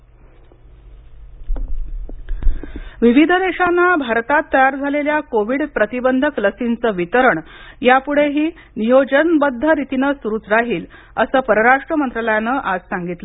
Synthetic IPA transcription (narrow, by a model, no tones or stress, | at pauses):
ʋiʋid̪ʱəd̪eɕanːabʱaɾt̪at̪ːəjaɾd͡zʱaleljakoʋiɽpɾət̪ibənd̪ʱəkləsint͡səːʋit̪əɾəɳjapuɽ̤eɦiː | nijod͡ʑənbəd̪ʱːəɾit̪inəsuɾuːt͡sɾaɦiːl | əsəːpəɾəɾaʂʈɾəmənt̪ɾələjanəːʔad͡zsaŋɡit̪lə